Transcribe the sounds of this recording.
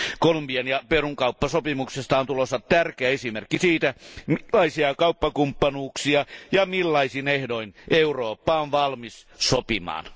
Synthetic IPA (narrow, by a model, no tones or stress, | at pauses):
kolumbiɑnjɑperuŋkɑupːɑsopimuksest̪ɑont̪ulosːɑtt̪ærkeæesimerkːisiːt̪æmːɑisiɑkɑupːɑkumpːɑnuːksiɑjɑmilːɑisinehdoinʔeuroːpːɑonʋɑlmis | sopimɑ̰ːn